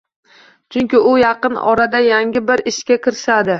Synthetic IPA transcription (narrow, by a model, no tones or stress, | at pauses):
t͡ʃʰʊŋkʲɪʊjɑqɨnɒ̰ɾad̪ajaŋʲɪbɪɾɪʃkʲakʲɪɾɪʃad̪ɪ